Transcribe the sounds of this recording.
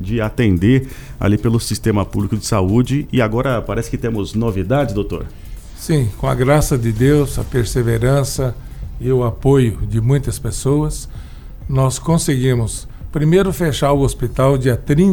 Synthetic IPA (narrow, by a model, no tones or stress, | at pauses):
d͡ʒɪat̪ẽnd̪eɾa̰lipelʊsist̪ẽmɐpublikʊd͡ʒɪsaud͡ʒɪɪaɡɔɾɐpaɾɛsɪ̥kɪt̪ẽmʊznovid̪ad͡ʒɪd̪owt̪o̰ɾ | sĩkõɐ̰ɡɾasɐd̪ɪd̪ewsɐ̰peɾseveɾɐ̃sɐɪʊapojʊd͡ʒɪmũj̃t̪ɐspesowɐs | nɔskõsɪɡĩmʊs | pɾimejɾʊfeʃaɾʊospit̪awd͡ʒiɐt̪ɾĩ